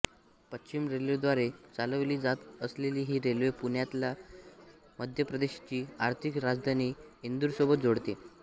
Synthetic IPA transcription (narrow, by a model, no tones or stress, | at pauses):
pətːɕimɾelʋed̪ʋaɾet͡saləʋliːd͡zat̪əsleliːɦiːɾelʋepuɳjat̪la | məd̪ʱjəpɾəd̪eɕat͡ɕiːaɾt̪ʰikɾad͡zd̪ʱaniːind̪uɾsobət̪̚d͡zoɽt̪e